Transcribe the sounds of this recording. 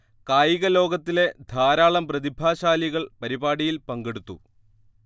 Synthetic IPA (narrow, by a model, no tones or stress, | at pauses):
kaːjiɣɐlo̞ːɡɐt̪ːile̞d̪ʱaːɾaːɭɐmprɐðibʱaːɕaːliɣɐɭpɐɾibaːɽijilpɐŋɡeɽut̪ːṵ